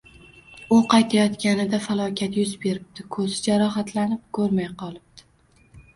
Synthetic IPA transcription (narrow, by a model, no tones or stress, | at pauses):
ʊqʰɑjt̪ʰajɒt̪kʲanɪd̪afalˠɒkʲʰat̪jʊzbe̞ɾɪb̚t̪ʰɪkʰɵzɪd͡ʒaɾɒɦat̪ʰlanɪp̚kʰɵɾmajqʰɒlˠɪp̚d̪̥ɪ̥